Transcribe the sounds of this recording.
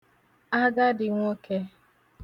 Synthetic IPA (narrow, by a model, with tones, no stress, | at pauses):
a˦ɡa˦dɪ˨ŋʷo˦ke˦